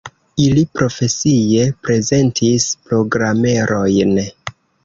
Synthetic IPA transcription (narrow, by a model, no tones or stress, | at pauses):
ilipɾo̞fe̞sije̞pɾe̞ze̞ntʰispɾo̞ɡɾame̞ɾʔo̞jn